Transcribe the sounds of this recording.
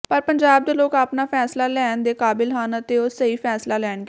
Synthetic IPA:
pəɾpəɲd͡ʒaːb̚d̪eːloːkaːpnaːpʰɛːslaːlɛːnd̪eːkaːbɪlɦənət̪eːoːsəiːpʰɛːslaːlɛːnɡ

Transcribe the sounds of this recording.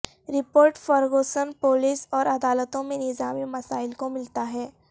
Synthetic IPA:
ɾɪpoːɾʈfɐɾɡoːsənpoːlɪsɔːɾɐd̪aːlət̪õmẽnɪzaːmimɐsaːɪlkomɪlt̪aɦɛː

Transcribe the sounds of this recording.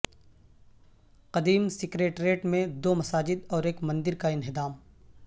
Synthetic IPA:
qɐd̪iːmsɪkɾeːʈɾeːʈmẽd̪oːmɐsaːd͡ʒɪd̪ɔːɾeːkmɐ̃nd̪ɪɾkaɪnɦɪd̪aːm

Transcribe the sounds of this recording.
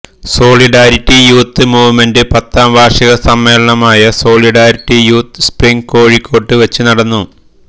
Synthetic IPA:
so̞ːliɖaːɾiʈːijuːt̪ːɨmuːʋmendɨpɐt̪ːaːmbʱaːʂɐɣɐsɐmːe̞ːlɐɳɐmaːjɐso̞ːɭiɖaːɾiʈːijuːt̪ːɨspriŋko̞ːɻikʰːo̞ːʈːɨʋɐt͡ɕːunɐɽɐnːu

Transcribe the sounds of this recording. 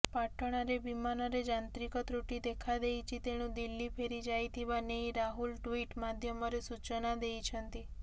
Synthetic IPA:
paʈəɽ̃aɾebimanɔɾed͡ʒant̪ɾikɔt̪ɾuʈid̪ekʰad̪ejt͡ʃʰit̪eñũd̪ilːipʰeɾid͡ʒajt̪ʰibaneiɾaɦulʈʋiʈmad̪ʱjəmɔɾesut͡ʃənad̪eit͡ʃʰənt̪i

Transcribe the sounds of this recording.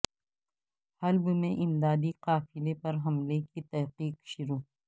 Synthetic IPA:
hɐlbmẽʔɪmd̪aːd̪iqaːfɪlepɐɾɦɐmlekit̪ɐɦqiːqʃʊɾuː

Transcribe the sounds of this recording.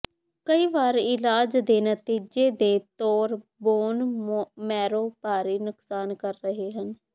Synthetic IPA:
kəiːʋaːɾɪlaːd͡ʒd̪eːnət̪iːd͡ʒeːd̪eːt̪oːɾboːnmɛːɾoːpaːɾiːnʊksaːnkəɾːəɦeːɦən

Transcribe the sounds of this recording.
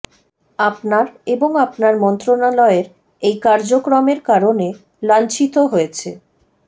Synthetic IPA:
apnaɾeboŋapnaɾmɔnt̪ɾonalɔeɾ | ejkaɾd͡ʑokɾomeɾkaɾone | lant͡ɕit̪oɦojet͡ɕʰḛ

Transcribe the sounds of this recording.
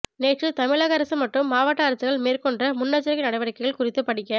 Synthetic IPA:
neːʈrɯt̪ɐmɪɭaːɣɐɐɾɐsɯmːɐʈrɯmːaːʋɐʈːɐɐɾɐsɯɣɐɭmeːrkɔɳɖrɐmʊnːɐt͡ʃːɐɾɐɣɪnɐɽɐɪʋɐɾɐkːɐɪɣɐɭkʊrɪt̪ːɯpɐɽɪkːɐ

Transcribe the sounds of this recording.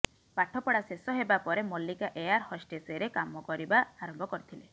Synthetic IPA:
paʈʰɔpɔɽasesɔɦebapɔɾemɔlːikaʔejaɾhɔsʈeseɾekamɔkɔɾibaaɾɔmbʱɔkɔɾit̪ʰile

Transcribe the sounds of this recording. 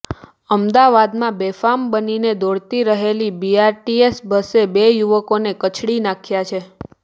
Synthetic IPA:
əmd̪aʋad̪mãbefambənined̪ɔɽt̪iɾəɦelibiaɾʈiesbəsebejuʋəkonekət͡ʃʰɽinakʰjat͡ʃʰe

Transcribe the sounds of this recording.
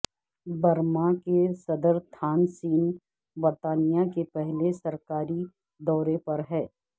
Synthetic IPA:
bɐɾmakesɐd̪əɾt̪ʰaːnsiːn | bɐɾt̪aːnijakepɛɦlesɐɾkaːɾi | d̪ɔːɾepɐɾɦɛː

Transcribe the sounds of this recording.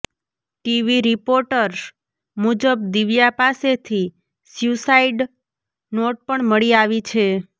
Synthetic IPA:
ʈiʋiɾipoɾʈəɾ | mud͡ʒəb̚d̪iʋjapaset̪ʰi | sjusaiɖ | noʈ̚pəɳməɭiaʋit͡ʃʰe

